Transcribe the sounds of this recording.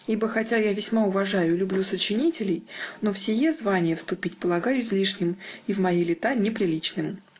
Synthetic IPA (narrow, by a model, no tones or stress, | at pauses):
ibəxɐtʲajavʲɪsʲmaʊvɐʐajʊlʲʊblʲusət͡ɕɪnʲitʲɪlʲɪjnofsʲɪjezvanʲɪjəfst̪ʊpʲitʲpəlˠɐɡajʊsʲlʲiʂnʲɪmivmɐjilʲɪt̪anʲɪpɾʲɪlʲit͡ɕnɨm